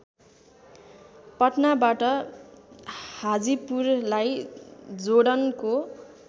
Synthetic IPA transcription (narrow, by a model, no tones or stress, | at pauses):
pʌʈnabaʈʌ | had͡zipurlajd͡zoɽʌnko